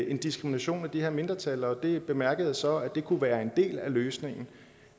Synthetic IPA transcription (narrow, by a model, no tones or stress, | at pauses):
e̝nd̥isɡ̥ʁiminæɕo̝̰ːnæd̥ihe̝ɐme̝nd̥ʁɐt͡sʰælɐɒ̽d̥e̝b̥e̝mæɐɡ̥əð̞̩ˠsɒ̽æd̥e̝kʰuʋæːɐe̝nd̥e̝̰ːlæløːsne̝ŋn̩